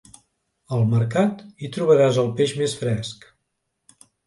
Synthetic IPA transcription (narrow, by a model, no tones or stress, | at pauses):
əlˠməɾkat̪it̪ɾuβəɾazəlˠpeʒmesfɾɛsk